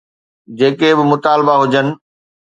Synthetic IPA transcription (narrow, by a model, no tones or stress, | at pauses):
d͡ʑeːkebɪmʊt̪aːlbaɦʊd͡ʑənɪ̆